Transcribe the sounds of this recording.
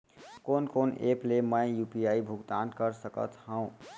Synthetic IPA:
konkonepleməjjupijaibʱuɡt̪ankəɾsəkə̰t̪hə̃ʊ̃

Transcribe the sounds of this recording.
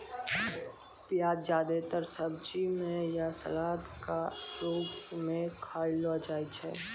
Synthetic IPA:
pjaːd̪d͡ʒjaːd̪et̪əɾsəb̚d͡ʒimẽjasə̰laːd̪kaɾoːɡmẽkʰaːɪlad͡ʒaːit͡ʃʰɛ̰ː

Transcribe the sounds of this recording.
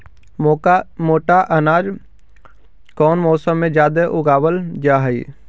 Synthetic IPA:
moːʈaʔənaːd͡ʒ | kɔːnmɔːsəmːẽd͡ʒjaːd̪eʔʊɡaːwəld͡ʒaːɦəḭː

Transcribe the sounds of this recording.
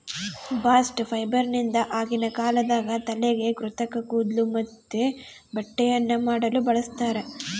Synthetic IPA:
baːsʈpʰɐjbɐɾnind̪ɐʔaːɡinɐkaːlɐd̪aːɡɐt̪ɐleɡe̞kɾut̪ɐkɐkuːd̪lumɐt̪ːe | bɐʈːɛjɐnːɐmaːɽɐlubɐɭɐst̪aːɾe̞

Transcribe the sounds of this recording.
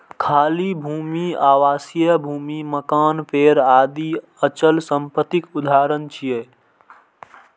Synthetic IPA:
kʰaːlibʱumiaʋaːsijəbʱumiməkaːnpʰeɾad̪i | ət͡ʃəlsəmpət̪ikud̪ʱaɾənt͡ʃʰije

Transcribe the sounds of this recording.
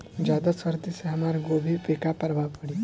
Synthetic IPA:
d͡ʑad̪asəɾd̪iseɦmaɾɡobʱipekapəɾʋapəɽi

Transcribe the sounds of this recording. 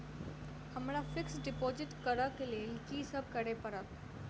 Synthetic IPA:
həmɾafɪksɖɪpoːzɪʈkəɾəkelielɪkisəb̚kəɽepəɾət̪

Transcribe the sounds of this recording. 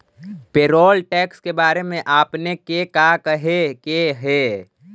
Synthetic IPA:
peːɾɔːlʈɛːkskebaːɾemẽʔaːpnekekaːkəɦekeɦɛː

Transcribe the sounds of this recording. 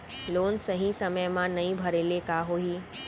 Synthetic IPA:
loːnsɐɦĩsɐməjmãnɐɦĩbʱɐɾeːlekaːɦoːɦiː

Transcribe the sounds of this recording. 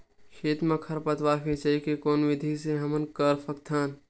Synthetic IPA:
ʃʰeːt̪mɐkʰɐɾpɐt̪ʋaːfet͡ʃaikekoːnʋɪd̪ʱiseɦɐmənkəɾfʰɐk̚t̪ʰaːn

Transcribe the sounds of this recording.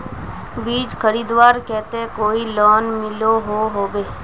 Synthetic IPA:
biːd͡ʒkʰəɾiːd̪ʋaːɾkɛːt̪ẽkoːilɔːnmɪloɦoɦoːbeː

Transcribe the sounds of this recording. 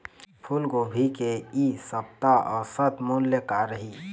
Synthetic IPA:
pʰʊlɡoːbʱikeisɐpt̪aɔ̰ːɾsət̪ʰmoːljəkaɾəɦiː

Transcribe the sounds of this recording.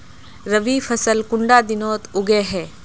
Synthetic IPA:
ɾɐʋifʰɐsəlkʊɳɖad̪ɪnoːt̪ʊɡeɦɛː

